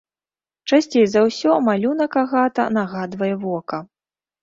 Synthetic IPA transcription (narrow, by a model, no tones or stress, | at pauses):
t͡ʂasʲt͡sʲejzawsʲɔmalʲunɐkaɣat̪ɐ̰naɣad̪vɐjɛvɔkɐ